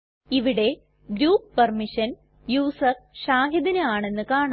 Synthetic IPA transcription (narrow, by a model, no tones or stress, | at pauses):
iʋiɽe̞ | ɡɾuːppːɐrmiʂɐn | juːsɐrʂaːɦɐd̪inɨaːɳe̞nːɨkaːɳ